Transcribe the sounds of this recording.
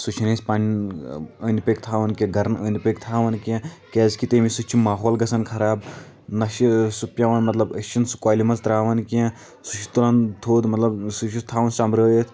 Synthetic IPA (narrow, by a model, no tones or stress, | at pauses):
sut͡ʃʰinesʲpan | əːnipeːkt̪ʰaːʋɐnkeɡʱɐɾnə̰ːnipekt̪ʰaːʋɐnkiẽkeːzkit̪eːmisut͡ʃʰimaːɦoːlɡɐsɐnkʰɐɾaːb̚ | nɐʃisupʲjɐʋɐnmɐt̪lɐbət͡ʃʰːinsu̥kwaːlimɐzt̪ɾaːʋɐnkiẽ | sut͡ʃʰi̥t̪ulɐnt̪ʰoːd̪mɐt̪lɐbsut͡ʃʰit̪ʰaːʋɐnsɐmɾəːjət̪ʰ